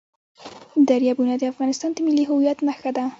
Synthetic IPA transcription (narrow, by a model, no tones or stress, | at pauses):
d̪aɾjɑbunɑd̪əafɣɑnɪst̪ɑnd̪əmɪliɦʊwjat̪naxad̪a